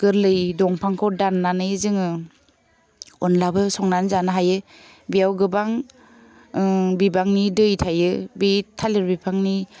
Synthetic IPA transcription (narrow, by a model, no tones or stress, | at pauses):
ɡ̥ɯɾlɯjdɔŋpʰaŋkʰɔwdanːanɯjzɯŋɯ | ɔnlabɯsɔŋnanzanɦajɯ | bijawɡɯbaŋ | bibaŋnidɯjtʰajɯbitʰalɯɾbipʰaŋni